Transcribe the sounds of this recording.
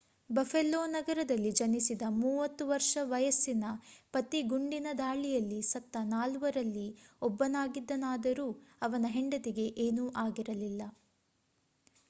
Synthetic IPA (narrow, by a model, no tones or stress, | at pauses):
bɐfelːoːnɐɡɐɾɐd̪ɐlːid͡ʒɐnisid̪ɐmuːʋɐt̪ːuʋɐɾʂɐʋɐjɐsːinɐpɐt̪iɡuɳɖinɐd̪aːɭijɐlːisɐt̪ːɐnaːluʋɐɾɐlːiɔbːɐnaːɡid̪ːɐnaːd̪ɐɾuːɐʋɐnɐɦeɳɖɐd̪iɡe̞ʔeːnuːʔaːɡiɾɐlilːɐ